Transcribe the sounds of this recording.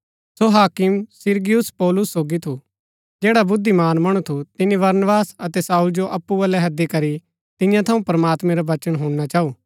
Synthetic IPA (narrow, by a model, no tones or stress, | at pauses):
soɦaːkɪmsɪɾɡijʊspɔːlʊsːoːɡit̪ʰu | d͡ʒeːɽabʊd̪ʱːimaːnmɐɽ̃ut̪ʰut̪ɪnibɐɾnbaːsɐt̪ɛsaːʊld͡ʒoʔɐpːuʋɐlɛɦɐd̪ikɐɾi | t̪ɪjãt̪ʰɐũpɾɐmaːt̪mɛ̃ɾaʋɐt͡ʃəɽ̃ɦũːɽñat͡ʃaːuː